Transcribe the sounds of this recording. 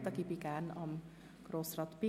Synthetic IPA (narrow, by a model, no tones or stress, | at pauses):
t̪ɒkipikaːnɒm | krosrɒt̪pi